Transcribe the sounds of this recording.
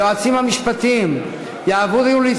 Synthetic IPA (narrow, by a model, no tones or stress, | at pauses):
ad̪simamiʃpɐt̪ẽm | jaβoðeũli